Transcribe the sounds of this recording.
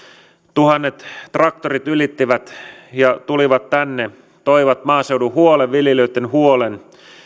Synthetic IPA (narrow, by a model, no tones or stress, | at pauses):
t̪uhɑnːet̪ːrɑk̚t̪orit̪ylit̪ːiʋæt̪jɑt̪uliʋɑt̪ːænːe | t̪oiʋɑt̪mɑːsewduhuoleʋʋiljeløit̪ːenhuolen